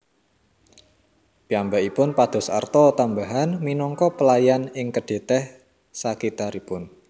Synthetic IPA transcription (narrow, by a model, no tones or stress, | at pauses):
piambaʔipʊnpad̪̥ɔ̤sa̰rt̪ɔt̪ambaɦanminɔŋkɔpəlajanɪŋkəɖ̥e̤t̪ɛh | sakit̪aɾipʊn